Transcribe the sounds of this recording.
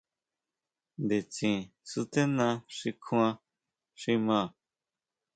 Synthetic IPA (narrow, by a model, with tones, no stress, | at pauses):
nd̪e˨t͡sĩ˨su˧t̪e˦nã˧ʂi˧kʰũ˧˦ã˧ | ʂi˧mã˧˨